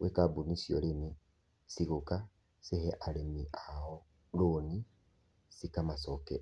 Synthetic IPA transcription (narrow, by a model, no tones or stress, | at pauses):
wʔekabunisiɔɾemi | siɣoka | sehɛʔaɾemiʔaɔ | loni | sikamasɔkɛ